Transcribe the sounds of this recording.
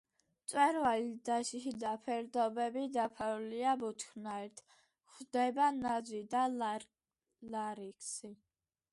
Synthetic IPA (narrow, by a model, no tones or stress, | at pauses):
t̪sʼwɛɾwalid̪aʃiʃid̪apʰɛɾd̪ɔbɛbid̪apʰaɾuliabut̪ʰkʰɾnaɛɾt̪ʰ | χd̪ɛbanad̪zwid̪al | laɾikʰsi